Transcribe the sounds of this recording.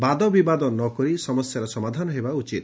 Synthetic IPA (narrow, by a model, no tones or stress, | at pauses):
bad̪ɔbibad̪ɔnɔkɔɾisɔmɔsjaɾɔsɔmad̪ʱanɔɦebaut͡ʃit̪